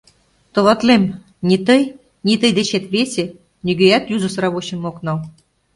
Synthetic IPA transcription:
t̪ɤ̆lɑt̪lem | nʲit̪ɤj | nʲit̪əjd̪et͡ɕet̪βesʲĕ | nʲyɡøjæt̪juzɤ̆sɾɑβoɕĕmːoknɑl

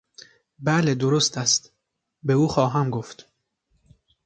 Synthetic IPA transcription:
bæled̪oɾost̪ʰæst̪ | beuːxɒːɦæmɡoft̪

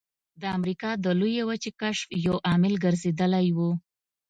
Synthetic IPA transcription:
d̪əamɾikɑd̪əlujewat͡ʃekaʃfjawʔɑmɪlɡəɾzed̪əlajwu

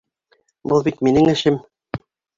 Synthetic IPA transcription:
bɤlˠbit̪minɘŋɘ̆ʃɘm

